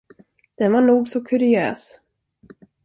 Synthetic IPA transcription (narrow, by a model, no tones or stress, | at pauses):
d̪̥ɛnvaɳuːɡsɔkʰɵɾɪø̰ːs